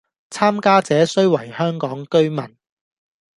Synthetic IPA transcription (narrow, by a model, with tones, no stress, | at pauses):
t͡sʰaː˥mkaː˥t͡sɛː˨˥sɵ˥ɥwɐ˨˩jhœː˥ŋkɔː˨˥ŋkɵ˥ɥmɐ˨˩n